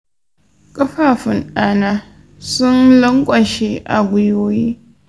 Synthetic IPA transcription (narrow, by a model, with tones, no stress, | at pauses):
kʼɐ˦ɸaː˨ɸɪ˨naː˦naː˦ | sʊ˦nlɐ˦ŋkʷʼɐ˨ʃe˦ʔa˨ɡʷʊ˦joː˦jiː˦